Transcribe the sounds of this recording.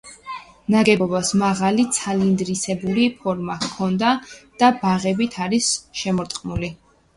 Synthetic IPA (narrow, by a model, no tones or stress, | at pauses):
naɡɛbɔbasmaʁalit̪sʰalind̪ɾisɛbuɾipʰɔɾmakʰɔnd̪ad̪̥abaʁɛbit̪ʰaɾisʃɛmɔɾt̪ʼqʼmuli